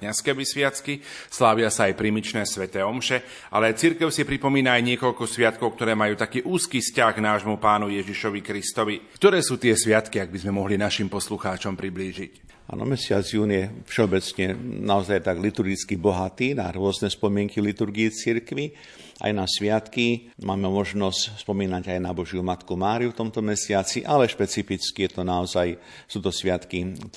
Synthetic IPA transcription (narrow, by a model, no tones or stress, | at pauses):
kɲaskɛʋisʋɪat͡skislaːʋɪasaːjpɾimit͡ʃnɛːsʋɛt̪ɛːɔmʃɛ | ʔa̰lɛt͡siɾkɛʊsipɾipɔmiːnaːjɲɪɛkɔʎkɔsʋɪat̪kɔʊk̚t̪ɔɾɛːmajuːt̪akiːʔuːskiːfscaɣɡnaːʒmupaːnujɛʒiʃɔʋikɾist̪ɔʋikt̪ɔɾɛːsuːt̪ɪɛsʋɪat̪kiaɡ̚bizmɛmɔɦlinaʃimpɔsluxaːt͡ʃɔmpɾibliːʒic | a̰nɔ̰mɛsɪa̰d͡zjuːnjɛfʃɛɔbɛt͡sɲɛnaɔzajt̪aɡlit̪uɾɡit͡skibɔɦat̪iːnaɾʊɔznɛspɔmɪɛŋkilit̪uɾɡiit͡siɾkʋi | ʔa̰jnasʋɪat̪kimaːmɛmɔʒnɔscspɔmiːnaɟajnabɔʒjumat̪kumaːɾiuft̪ɔmt̪ɔmɛsɪat͡siʔalɛʃpɛt͡sifit͡skijɛt̪ɔnaɔzaj | suːt̪ɔsʋɪat̪ki